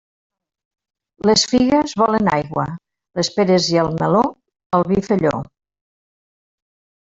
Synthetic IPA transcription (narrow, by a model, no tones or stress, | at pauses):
ləsfiɣəzβɔləna̰jɣwə̰ | ləspeɾeziəlˠməlo | əlˠβifəʎo̰